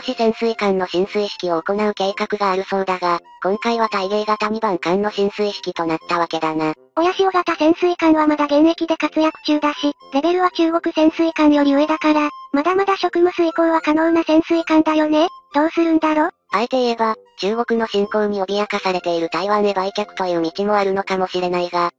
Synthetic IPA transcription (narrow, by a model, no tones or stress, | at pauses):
oɕisẽ̞ɰ̃sɨikãnːo̞ɕĩɰ̃sɨiɕi̥kʲio̞ːko̞naɯ̟ke̞ːkakɯ̟ɡaːɾɯ̟so̞nd̪aɡakõ̞ŋkaiβ̞at̪aiɡe̞ːɡat̪amʲibãŋkãnːo̞ɕĩɰ̃sɨiɕi̥kʲit̪o̞nat̪ːaβake̞d̪ana | o̞jaɕio̞ɡat̪asẽ̞ɰ̃sɨikãɰ̃βamad̪aɡẽ̞ɰ̃e̞kʲid̪e̞kat͡sɨjakɯ̟̥t͡ɕɨːd̪aɕiɾe̞be̞ɾɯ̟βat͡ɕɨːɡo̞kɯ̟sẽ̞ɰ̃sɨikãɰ̃jo̞ɾʲiɯed̪akaɾamad̪amad̪aɕo̞kɯ̟mɯ̟sɨikõɰβakano̞ːnasẽ̞ɰ̃sɨikãnd̪ajo̞ne̞d̪̥o̞ːsɨɾɯ̟̃nd̪aɾo̞ː | aet̪e̞ie̞bat͡ɕɨːɡo̞kɯ̟no̞ɕĩŋkõ̞ɲːio̞mʲijakasaɾe̞t̪e̞iɾɯ̟t̪aiβãnebaikʲakɯ̟̥t̪o̞jɯ̟ːɲit͡ɕimo̞aɾɯ̟no̞kamo̞ɕiɾe̞naiɡa